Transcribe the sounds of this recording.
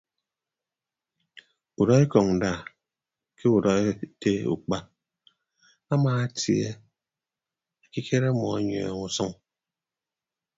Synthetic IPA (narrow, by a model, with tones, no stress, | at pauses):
u˨ɾɔ˦e˦kɔ˨ŋn̩˨da˦˨ | kʰe˦u˨ɾɔ˦e˦te˦ṵ˨k͡pa˦ | a˦maː˨a˦tje˦ | a˨ki˦kʰe˦ɾa˦mɔ˨a˦ɲɔ̰˨ŋu˨sɔ˦ŋ